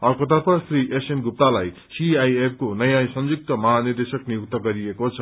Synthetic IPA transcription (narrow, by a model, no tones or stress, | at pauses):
ʌrkot̪ʌrpʰʌsɾiʔesenɡup̚t̪alaj | siajep̚ʰkonʌjasʌmd͡zuk̚t̪ʌmʌɦanird̪esʌknijuk̚t̪ʌɡʌɾiekot͡sʰʌ